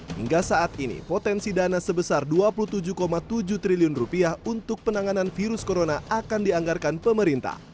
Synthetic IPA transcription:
hḭŋɡasaʔat̪inḭpot̪ɛnsidanasəbəsarduapulut̪ud͡ʒukomat̪ud͡ʒuht̪ɾiliʊnrupiahunt̪ʊk̚pənaŋananfiɾʊskoɾonaʔakandiaŋɡarkanpəməɾint̪a̰h

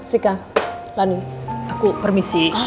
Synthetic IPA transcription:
rika | laniakupərmisi

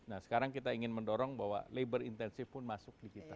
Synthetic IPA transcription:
nahsə̥kaɾaŋkit̪aiŋɪnməndɔɾɔŋbaɦwa̰lebərint̪ɛnsɪfpʊnmasʊk̚dikit̪a

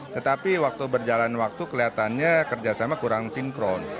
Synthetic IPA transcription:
t̪ət̪apiwak̚t̪ubərd͡ʒalanwak̚t̪ukəliat̪anɲakərd͡ʒasamakuɾaŋsiŋkɾɔn

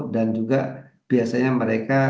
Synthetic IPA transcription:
t̪̚dand͡ʒuɡa | b̥iasaɲaməɾeka

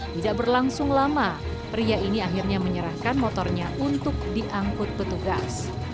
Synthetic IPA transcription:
t̪idaʔ̚bərlaŋsʊŋlama | rijainiaɦirɲaməɲəɾahkanmɔt̪ɔrɲaʔunt̪ʊk̚diʔaŋkʊt̪̚pət̪uɡa̰s

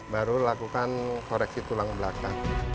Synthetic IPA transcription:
baɾulakukankoɾɛksit̪ulaŋbəlaka

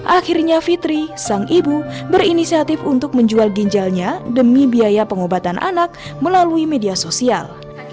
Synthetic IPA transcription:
ʔaxirɲafit̪ɾisaŋibubərinisiat̪ɪfunt̪ʊk̚məɲd͡ʒualɡiɲd͡ʒalɲadəmibiajapəŋobat̪anʔa̰nak̚məlaluimediasosia̰l

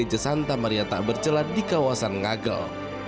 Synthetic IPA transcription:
ed͡ʒəsant̪amaɾiat̪aʔbərt͡ʃəlat̪̚dikawasanŋaɡə̰l

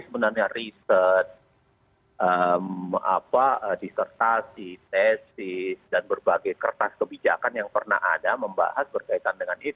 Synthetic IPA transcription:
sbənərɲarisət̪̚ | ʔəma̰paədist̪ərt̪asit̪ɛsisdanbərbaɡajkərt̪askəbid͡ʒa̰kanjaŋpərna̰ha̰daməmba̰hasbərkait̪andəŋani

